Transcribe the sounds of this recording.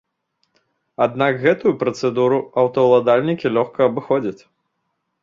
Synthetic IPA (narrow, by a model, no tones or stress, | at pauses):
ad̪nakɣɛt̪ujupɾɐt̪sɛd̪uɾuɐwt̪ɐwlˠad̪alʲnʲikʲilʲɔxkɐːbɨxɔd͡zʲɐt͡sʲ